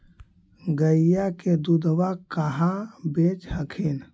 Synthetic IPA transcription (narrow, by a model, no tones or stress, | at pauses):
ɡəijaked̪ud̪ʋakəɦãbet͡ʃhəkʰin